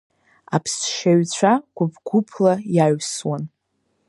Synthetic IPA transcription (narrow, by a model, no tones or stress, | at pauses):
apʰsʃaɥt͡ɕʷʰaɡʷʊbɡʷupʰlajaɥswan